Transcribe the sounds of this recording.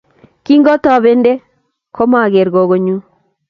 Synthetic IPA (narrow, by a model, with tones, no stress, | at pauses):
ki˦ŋɡɔ˦tɔ˨βe˦nde˦ | kʰo˦ma˨ɡe˨ɾɡo˨ɡo˦ɲu˦